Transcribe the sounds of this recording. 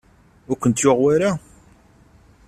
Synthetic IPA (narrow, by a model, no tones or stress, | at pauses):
ʊɾkʷːənt̪joʁwaɾa